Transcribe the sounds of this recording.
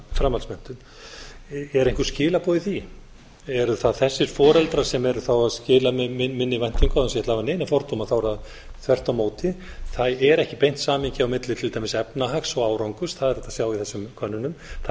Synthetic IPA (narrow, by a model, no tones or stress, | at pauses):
fɾamalsmɛn̥t̪ʏn | ɛɾẽjŋ̥kvʏ̥scɪːlapɔːðɪθi | ɛɾʏθaðθɛsːɪɾ̥fɔːɾɛlt̪ɾḁsɛmɛɾʏθawaðscɪːlaɪmɪnːɪvajn̥t̪iŋkaðɛs̬ɛt̪lhavaneːjnafɔɾt̪omaθawɛɾað | θʰvɛr̥t̪awmoːwt̪ɪ | θaðɛɾɛhcɪpejn̥t̪saːmiɲcɪawmɪt̪lɪt̪ʰɪlt̪ajmɪsɛpnaɦaksɔɣaːwɾawŋkʏsθaðɛɾ̥ɛt̪asjaːwɪθɛsːʏmkʰœnːʏnʏmθa